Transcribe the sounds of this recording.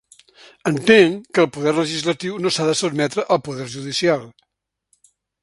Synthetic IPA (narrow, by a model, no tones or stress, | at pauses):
ənt̪eŋkəlˠpuðɛɾləʒizlət̪iwnosaðəsud̪̚mɛt̪ɾəʔəlˠpuðɛɾʒuðisialˠ